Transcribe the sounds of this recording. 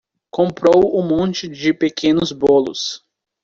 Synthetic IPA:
kõpɾowũmõnt͡ʃɪd͡ʒɪpekʰẽnʊzbolʊ̰s

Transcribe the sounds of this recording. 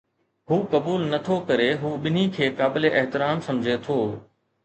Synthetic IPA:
ɦuːkɐbuːlnɐt̪ʰokɐɾeɦuːɓɪn̤ikʰeːkaːbɪleʔɐɦt̪ɪɾaːmsɐ̃md͡ʑʱet̪ʰoː

